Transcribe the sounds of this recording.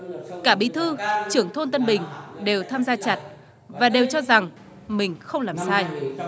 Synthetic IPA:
kaː˧˩ɓi˨˧˦t̪ʰɨ˧t͡ɕɨ˧˩əŋt̪ʰo˧nt̪ə˧nɓï˨˩ŋ̟ɗe˨˩wt̪ʰaː˧mzaː˧t͡ɕa˨˩t̚ | vaː˨˩ɗe˨˩wt͡ɕɔ˧za˨˩ŋ | mï˨˩ŋ̟xə˧wŋ͡mlaː˨˩msaː˧j

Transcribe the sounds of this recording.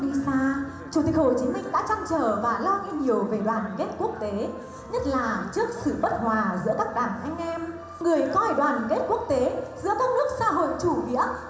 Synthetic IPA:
i˧saː˧ | t͡ɕu˨˧˩t̪ï˨˩k̚ho˧˩t͡ɕi˨˦mï˧ŋ̟ɗa̰ː˧˥t͡ɕa˧nt͡ɕəː˧˩vaː˨˩lɔ˧ŋḭ˧ɲi˨˩əwve˨˩ɗwaː˨˩nke˦˥t̚ku˦˥ək̚t̪e˨˦ | ɲə˦˥t̚laː˨˩t͡ɕɨ˦˥ək̚sɨ̰˧˨ɓə˦˥t̚hwaː˨˩zɨ̰˧˥əkaː˦˥k̚ɗaː˨˩nʔa˧jŋ̟ʔɛ˧m | ŋɨ˨˩əjkɔ˧˦a˨˧˩ɗwaː˨˩n˨ke˦˥t̚ku˦˥ək̚t̪e˨˦zɨ̰˧˥əkaː˦˥k̚nɨ˦˥ək̚sa̰ː˧˥ɦo̰˧˨jt͡ɕu˧˩vḭ˧˥ə

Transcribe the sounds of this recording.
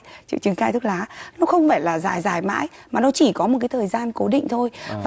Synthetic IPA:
t͡ɕɨ̰˧˨t͡ɕɨ˨˦ŋkaː˧t̪ʰɨ˦˥k̚laː˨˦nɔ˨˦xə˧wŋ͡mfaː˧˩jlaː˨˩zaː˨˩jzaː˨˩jma̰ː˧˥jmaː˨˩nɔ˨˦t͡ɕi˧˩kɔ˨˦mo˨˩t̚kaː˨˦jt̪ʰəː˨˩jzaː˧nko˨˦ɗḭ˧˨ŋ̟t̪ʰo˧jvaː˨

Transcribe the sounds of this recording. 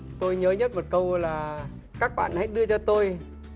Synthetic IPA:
t̪o˧jɲəː˨˦ɲə˦˥t̚mo˨˩t̚kə˧wlaː˨˩ | kaː˦˥k̚ɓa̰ː˧˨nha̰˧˥jɗɨ˧ət͡ɕɔ˧t̪o˧j

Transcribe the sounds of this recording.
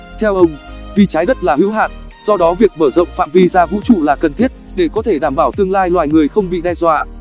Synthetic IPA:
t̪ʰɛ˧wʔə˧wŋ͡mvi˨˩t͡ɕaː˨˦jɗə˦˥t̚laː˨˩hḭ˧˥wɦaː˨˩t̚ | z̥ɔ˧ɗɔ˨˦vi˨˩ək̚məː˧˩zə̰˧˨wŋ͡mfa̰ː˧˨mvi˧zaː˧vṵ˧˥t͡ɕṵ˧˨laː˨˩kə˨˩nt̪ʰi˦˥ət̚ɗe˧˩kɔ˨˦t̪ʰe˧˩ɗaː˧˩mɓaː˧˩wt̪ɨ˧əŋlaː˧jlwaː˨˩jŋɨ˨˩əjxə˧wŋ͡mɓḭ˧˨ɗɛ˧jzwa̰ː˧˨

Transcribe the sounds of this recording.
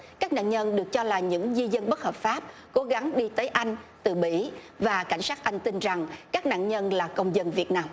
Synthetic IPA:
kaː˦˥k̚na̰ː˧˨nɲə˧nɗɨ˨˩ək̚t͡ɕɔ˧laː˨˩ɲɨ̰˧˥ŋzi˧zə˧nɓə˦˥t̚həː˨˩p̚faː˦˥p̚ko˨˦ɣa˨˦ŋɗi˧t̪əː˨˦jʔa˧jŋ̟t̪ɨ˨˩ɓḭ˧˥ | vaː˨˩ka˧˩jŋ̟saː˦˥t̚ʔa˧jŋ̟t̪i˧nza˨˩ŋkaː˦˥k̚na̰ː˧˨nɲə˧nlaː˨˩kə˧wŋ͡mzə˧nvi˨˩ət̚naː˧m

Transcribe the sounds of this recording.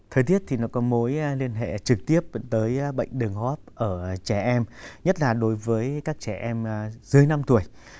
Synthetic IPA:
t̪ʰəː˨˩t̪i˦˥ət̚t̪ʰi˨˩nɔ˨˦kɔ˨˦mo˨˦jli˧ənɦḛ˧˨t͡ɕɨ˨˩k̚t̪i˦˥əp̚t̪əː˨˦jɓə̰˧˨jŋ̟ɗɨ˨˩əŋhɔ˦˥p̚ʔəː˧˩t͡ɕɛ˧˩ʔɛ˧mɲə˦˥t̚laː˨˩ɗo˨˦jvəː˨˦jkaː˦˥k̚t͡ɕɛ˧˩ʔɛ˧m˩zɨ˨˦ə˦jna˧mt̪u˧˩əj

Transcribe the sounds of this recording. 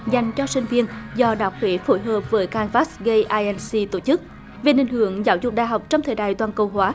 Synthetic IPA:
za˨˩jŋ̟t͡ɕɔ˧sï˧˩ŋ̟vi˧ənzɔ˧ɗaː˨˩wk͡p̚hwe˨˦fo˧˦jɦəː˨˩p̚vəː˨˦jkaː˧nvaː˦˥sɣə˧jʔaː˧ʔɛ˧nsi˧t̪o˧˩t͡ɕɨ˦˥k̚ | ve˨˩nï˨˩ŋ̟hɨ˧˩əŋzaː˨˦wzʊ˨˩k͡p̚ɗa̰ː˨jɦa˨˩wk͡p̚t͡ɕɔ˧wŋ͡mt̪ʰəː˨jɗa̰ː˧˨jt̪waː˨˩nkə˨˩wɦwaː˨˦

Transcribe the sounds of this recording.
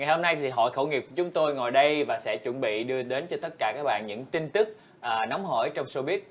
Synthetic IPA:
ŋa˨˩jho˧mna˧jt̪ʰi˨˩ɦɔ̰˧˨jxə̰˧˩wŋi˨˩p̚ku˧˩t͡ɕʊ˨˦ŋ͡mt̪o˧jŋɔ˨˩jɗə˧jvaː˨˩sɛ̰˧˥t͡ɕwə˧˩nɓḭ˧˨ɗɨ˧əɗe˨˦nt͡ɕɔ˧t̪ə˦˥t̚kaː˧˩kaː˦˥k̚ɓa̰ː˧˨nɲɨ̰˧˥ŋt̪i˧nt̪ɨ˦˥k̚ | ʔːnɔ˨˦wŋ͡mɦə̰ː˧˩jt͡ɕɔ˧wŋ͡mso˧ɓi˦˥ət̚

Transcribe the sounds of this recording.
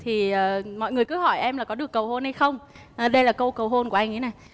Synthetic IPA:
t̪ʰi˨˩əː˨˩mɔ̰˧˨jŋɨ˨˩əjkɨ˨˧˦hɔ˧˩jʔɛ˧mlaː˨˩kɔ˨˦ɨ˨˩əkːə˨˩who˧nha˧jxə˧wŋ͡m | ʔːɗə˧jlaː˨˩kə˧wkə˨˩wɦo˧nku˧˩ʔa˧jŋə˨˦na˨˩j

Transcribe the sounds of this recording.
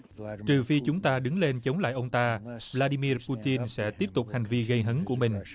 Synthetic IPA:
t͡ɕɨ˨˩fi˧t͡ɕʊ˨˦ŋ͡mt̪aː˧ɗɨ˨˦ŋle˧nt͡ɕə˨˦wŋ͡mla̰ː˧˨jʔə˧wŋ͡mt̪aː˧vlaː˧ɗi˧mi˧ərpu˧t͡ɕi˧nsɛ̰˧˥t̪i˦˥əp̚t̪ʊ˨˩k͡p̚ha˨˩jŋ̟vi˧ɣə˧jɦə˨˦nku˧˩əmï˨˩ŋ̟

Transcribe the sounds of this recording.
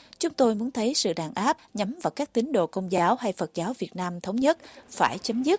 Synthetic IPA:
t͡ɕʊ˨˦ŋ͡mt̪o˧jmu˨˦ənt̪ʰə˨˦jsɨ̰˧˨ɗaː˨˩nʔaː˦˥p̚ɲa˨˦mvaː˨˩wkaː˦˥k̚t̪ï˨˦ŋ̟ɗo̰˧˨kə˧wŋ͡mzaː˨˦wha˧jfə˨˩t̚zaː˨˦wvi˨˩ət̚naː˧mt̪ʰə˨˦wŋ͡mɲə˦˥t̚faː˧˩jt͡ɕə˨˦mzɨ˦˥t̚

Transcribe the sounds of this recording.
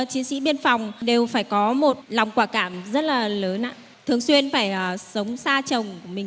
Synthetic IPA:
t͡ɕi˨˦sḭ˧˥ɓi˧ənfa˨˩wŋ͡mɗe˨˩wfaː˧˩jkɔ˨˦mo˨˩t̚la˨˩wŋ͡mkwaː˧˩kaː˧˩mzə˦˥t̚laː˨˩ləː˨˦na̰ː˧˨ | t̪ʰɨ˨˩əŋswi˧ənfaː˧˩jʔəː˨˩sə˨˦wŋ͡msaː˧t͡ɕə˨˩wŋ͡mkəmï˨˩ŋ

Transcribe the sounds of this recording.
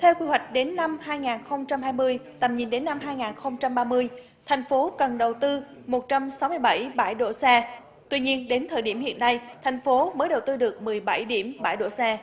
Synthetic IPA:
t̪ʰɛ˧wkwi˧hwa˨˩jk̟̚ɗe˨˦nːa˧mhaː˧jŋaː˨˩nxə˧wŋ͡mt͡ɕa˧mhaː˧jmɨ˧əjt̪ə˨˩mɲi˨˩nɗe˨˦nːa˧mɦaː˧jŋaː˨˩nxə˧wŋ͡mt͡ɕa˧mɓaː˧mɨ˧əj | t̪ʰjŋ̟fo˨˦kə˨˩nɗə˨˩wt̪ɨ˧ | mo˨˩t̚t͡ɕa˧msa˨˦wmɨ˧əjɓa˧˩jɓa˧˩jɗo̰˧˥˩sɛ˧ | t̪wi˧ɲi˧ənɗe˨˦nt̪ʰəː˨˩jɗi˧˩əmhḭ˧˨ənːa˧jt̪ʰɛ˨˩jŋ̟fo˨˦məː˨˦jɗə˨˩wt̪ɨ˧ɗɨ˨˩ək̚mɨ˨˩əjɓa˧˩jɗi˧˩əmɓa̰˧˩jɗo̰˧˩sɛ˧

